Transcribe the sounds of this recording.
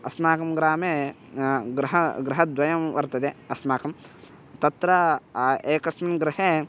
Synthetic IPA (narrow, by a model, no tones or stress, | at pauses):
ɐsmaːkɐmɡɾaːmeː | ɡɾɐɦɐɡɾɪɦɐd̪ʋɐjɐmʋɐɾt̪ɐd̪eɐsmaːkɐm | t̪ɐt̪ɾɐ | eːkɐsmɐnɡɾɪɦeː